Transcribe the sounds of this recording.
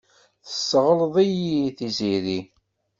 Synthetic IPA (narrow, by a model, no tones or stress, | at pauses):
θə̥sːʁəlðˤijiθiziɾi